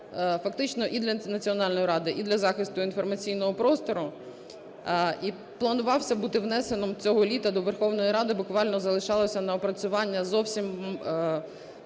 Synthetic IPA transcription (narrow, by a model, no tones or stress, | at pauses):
fɐkt̪ɪt͡ʃnɔʔid̪lʲɐnɐt͡sʲiɔnɑlʲnɔjɾɑd̪ɪʔid̪lʲɐzɑxɪst̪ʊinfɔrmɐt͡sʲijnɔɦɔpɾɔst̪ɔɾʊ | i | plˠɐnʊʋɑwsʲɐbut̪ɪwnɛsenɔmt͡sʲɔɦɔlʲit̪ɐd̪ɔʋerxɔwnɔjiɾɑd̪ɪbʊkʋɑlʲnɔzɐlˠɪʃɑlˠɔsʲɐnɐɔpɾɐt͡sʲʊʋɑnʲːɐzɔwsʲim